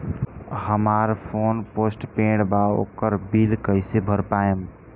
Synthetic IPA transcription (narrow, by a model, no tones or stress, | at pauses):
həmaɾpʰonposʈpẽɖbao̰kəɾbilkəɪsebʱəɾpaem